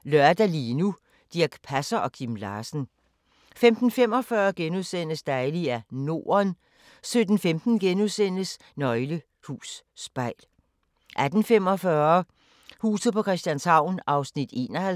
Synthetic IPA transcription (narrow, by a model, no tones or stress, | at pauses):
lɶɐd̥ælinu | d̥iɐɡ̥pʰæsɐʔɒ̽kʰimlɑːsn̩ | femd̥n̩fem̰ɒ̽fɶːɐɡ̥enuðˠsen̰əsd̥ɑɪliæno̝̰ːɐn | sød̥n̩femd̥n̩ɡ̥enusen̰əs | nɒ̽ɪlə | hṵːsːb̥ɑ̈ɪ̰l | ʔæd̥n̩fem̰ɒfɶɐ | hṵːsð̩ˠpʰɒ̽kʰʁɛsd̥jænshɑ̈ʊ̰nʔɑ̈ʊsnid̥e̝̰ːnɒhæ